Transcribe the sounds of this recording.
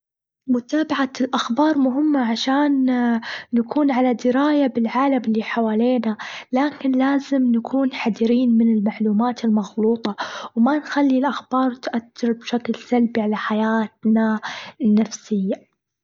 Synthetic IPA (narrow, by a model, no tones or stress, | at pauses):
mʊt̪aːbaʕalʔaxbɑːɾˤmʊɦɪmːaʕaʃaːnː | akʰuːnʕalad̪ɪɾaːjabɪlʕaːlamɪlːiħawaːleːnalaːkɪnlaːzɪmnakʰuːnħad̪ɾiːnmɪnɪlmaʕluːmaːt̪ɪlmɑɣluːt̪ˤɑwmanxalːilʔaxbɑːɾˤt̪ʔat̪ːɪɾbʃaklsalbiʕalaħajaːt̪nanːafsɪjːa